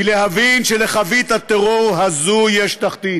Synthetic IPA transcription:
leɦavinʃeleχavit̪at̪eʁoʁɦazujɛʃt̪aχt̪i

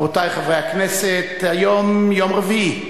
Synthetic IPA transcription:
ʊtaɪχaveɪaknɛsɛtajomjomʁəviː

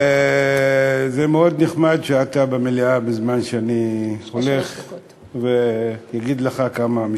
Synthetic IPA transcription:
zemeo̞d̪niχmad̪ʃeat̪abemiliabezmanʃeanihole̞χ | vejaɡid̪leχakamam

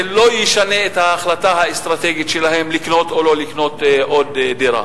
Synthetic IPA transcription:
nlo̞jiʃaneet̪haːχlat̪ahaest̪ɾat̪eɡit̪ʃelaɦe̞mlikno̞t̪olo̞likno̞t̪ʔo̞d̪diɾa̰

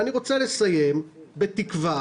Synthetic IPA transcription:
aniʁo̞t͡selesaje̞mbet̪ikva

